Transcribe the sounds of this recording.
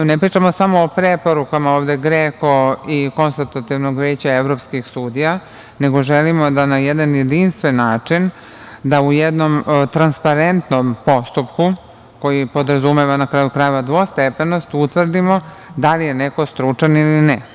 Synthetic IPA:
nepɾiːt͡ʃamo̞samo̞ːpɾepo̞ɾukamaoːʋd̪e̞ɡɾeko̞iko̞nselt̪at̪iʋnoɡʋeːt͡ɕaeʋɾo̞pskixsuːd̪ija | ne̞ɡo̞ʒelimo̞d̪anajed̪anje̞d̪inst̪ʋe̞nːaːt͡ʂin | d̪aujed̪no̞mt̪ɾanspaɾe̞nt̪no̞mpo̞st̪upku | ko̞jipo̞d̪ɾazumeʋanakɾaːjukɾaːjeʋad̪ʋo̞st̪epenost̪ut̪ʋr̩d̪imo̞ | d̪alije̞ne̞ko̞st̪ɾut͡ʂanilinɛ

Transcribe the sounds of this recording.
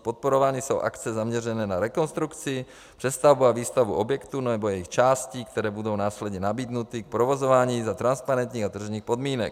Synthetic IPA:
pot̪̚poɾovaːɲiso̰wʔa̰kt͡sɛzamɲɛrɛnɛːnaɾɛko̞nst̪ɾukt͡sɪ | pr̝̥ɛst̪avbuaviːst̪avbṵʔobjɛkt̪unnɛbojɛjixt͡ʃaːsciːkt̪ɛɾɛːbudo̞wnaːslɛd̪ɲɛnabiːd̪nut̪ik̚pɾovozovaːɲiːzat̪ɾanspaɾɛnt̪ɲiːɣat̪r̩ʒɲiːxpo̞d̪miːnɛ̰k̚

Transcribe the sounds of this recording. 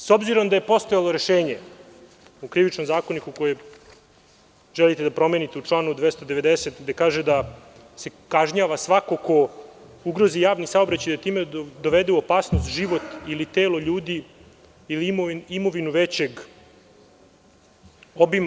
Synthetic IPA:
so̞bziɾo̞md̪aje̞po̞st̪ojalˠo̞ɾeʃeːɲe | ukɾiʋit͡ʃnomzaːko̞nikukoje | ʒ̥elit̪ed̪apɾo̞menit̪euʈ͡ʂlˠaːnud̪ʋest̪od̪e̞ʋed̪eset̪d̪ekaːʒed̪a | se̞kaʒɲaːʋasʋako̞ko̞uɡɾo̞zijaːʋnisaobɾat͡ɕajd̪at̪iːmed̪o̞ʋed̪euopaːsnost̪ʒiʋo̞t̪ilit̪eːlo̞ʎuːd̪i | ilimimo̞ʋinuʋet͡ɕeɡ | o̞bima

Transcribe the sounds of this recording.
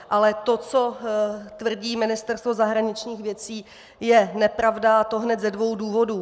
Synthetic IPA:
ʔalɛt̪o̞t͡so̞t̪vr̩ɟiːmɪnɪst̪ɛɾst̪vo̞zaɦɾaɲɪt͡ʃɲiːxvjɛt͡siː | jɛnɛpɾavdat̪o̞ɦnɛt̪zɛdvo̞wduːvo̞du

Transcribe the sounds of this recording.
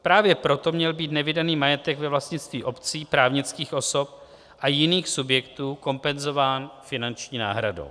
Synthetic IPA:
pɾaːvjɛpɾo̞t̪o̞mɲɛlbiːt̪nɛvɪdaniːmajɛt̪ɛɡvɛvlastɲɪt͡st̪viːʔo̞pt͡siːpɾaːvɲɪt͡skiːxʔo̞so̞p | ʔajɪniːxsubjɛkt̪uːko̞mpɛnzo̞vaːnfɪnant͡ʃɲiːna̰ːɦɾado̰w

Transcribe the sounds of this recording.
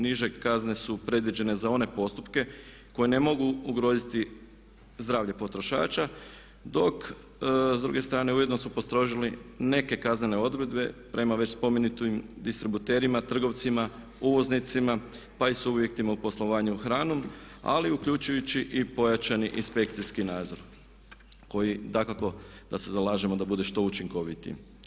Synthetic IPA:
niʒe̞kazne̞supɾe̞d̪ʋid͡ʑe̞ne̞zao̞ne̞po̞st̪upke̞ | ko̞jene̞mo̞ɡuːɡɾo̞ːzit̪i | zd̪ɾaːʋʎe̞po̞t̪ɾo̞ʃa̰ːt͡ʃa | d̪o̞k | zd̪ɾṵɡe̞st̪ɾaːne̞uje̞d̪no̞smupost̪ɾo̞ʒiline̞ke̞kazne̞ne̞o̞d̪ɾe̞d̪be̞pɾʔe̞maʋe̞t͡ɕspo̞me̞nit̪imd̪ist̪ɾibut̪e̞ːɾimat̪r̩ɡo̞ʋt̪sima | uʋo̞znit̪sima | paisubje̞k̚t̪imaupo̞slˠo̞ʋaːɲuxɾaːnoma̰liukʎut͡ʃujut͡ɕiʔipo̞jat͡ʃaniʔinspe̞kt̪siskinaːd̪zo̞ɾ | ko̞jid̪akako̞d̪ase̞zalˠaːʒemo̞d̪abud̪eʃt̪o̞ut͡ʃiŋko̞ʋit̪ḭ

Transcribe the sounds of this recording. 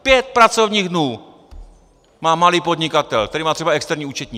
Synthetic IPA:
pjɛt̪̚pɾat͡sovɲiːɣdnuː | maːmaliːpod̪ɲɪkat̪ɛlkt̪ɛɾiːmaːt̪r̥ɛbaɛkst̪ɛɾɲiːuːt͡ʃɛt̪ɲiː

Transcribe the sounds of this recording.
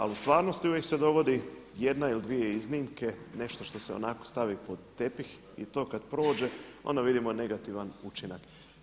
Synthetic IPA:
a̰lust̪ʋaːɾno̞st̪iujekse̞d̪o̞ʋo̞d̪ijed̪nailid̪ʋijeizniːmke̞ne̞ʃt̪o̞ʃt̪o̞seo̰nakost̪aʋipo̞d̪ːe̞pix | ḭt̪o̞ːkad̪pɾo̞ːd͡ʒe̞o̞̰nd̪aʋid̪imone̞ɡat̪iʋanut͡ʃinak

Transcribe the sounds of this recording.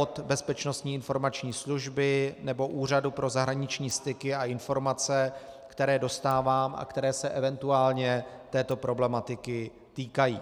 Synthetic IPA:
ot̪bɛspɛt͡ʃno̞st̪ɲiːɪnfo̞ɾmat͡ʃɲiːsluʒbɪnɛbo̞ʔuːr̝adupɾo̞zaɦɾaɲɪt͡ʃɲiːst̪ɪkɪaɪnfo̞ɾmat͡sɛkt̪ɛɾɛːdo̞st̪aːvaːma̰kt̪ɛɾɛːsɛʔɛvɛnt̪uaːlɲɛt̪ɛːt̪o̞pɾo̞blɛmat̪ɪkɪ | t̪iːkajḭː

